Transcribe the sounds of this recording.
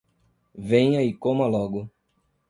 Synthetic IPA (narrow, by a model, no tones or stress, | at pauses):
vẽɲɐikõmɐlɔɡʊ